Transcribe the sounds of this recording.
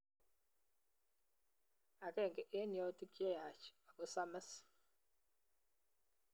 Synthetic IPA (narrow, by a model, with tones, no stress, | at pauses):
a˨kɛ˦˨ŋɡɛ˨ʔe˦njɔ˦ti˦kje˦ja˨t͡ʃa˨ko˦sa˦mɛ˦s